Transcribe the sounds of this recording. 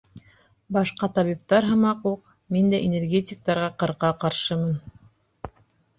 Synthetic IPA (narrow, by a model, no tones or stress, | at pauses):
bɑʃqɑt̪ɑβip̚t̪ɑɾɦɤ̆mɑquq | mind̪æʔenʲerɡʲet̪ʲɪk̚t̪ɑɾʁɑqɤ̆ɾqɑqɑɾʃɤmɤn